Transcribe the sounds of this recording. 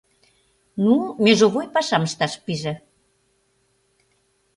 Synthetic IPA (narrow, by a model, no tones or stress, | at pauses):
numeʒoβojpɑʃɑməʃt̪ɑʃpiʒĕ